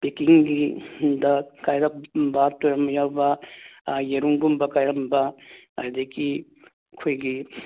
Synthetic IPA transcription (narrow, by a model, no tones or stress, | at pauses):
pekiŋɡidɐkajɾɐpbɐtojɾɐmɐjawbɐ | jeɾuŋbumbɐkajɾɐmbɐ | ajdeki | kʰojɡi